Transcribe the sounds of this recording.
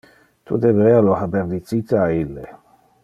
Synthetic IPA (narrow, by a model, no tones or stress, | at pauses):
t̪ʰṵd̪ebɾɛalohabeɾd̪it͡sit̪aailːḛ